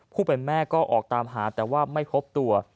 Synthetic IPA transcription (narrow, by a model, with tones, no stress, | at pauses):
pʰuː˥˩pe˧nmɛː˥˩kɔː˥˩ʔɔː˨˩k̚t̪aː˧mɦaː˩˦t̪ɛː˨˩waː˥˩ma˥˩jpʰo˦˥p̚t̪u˧ɐ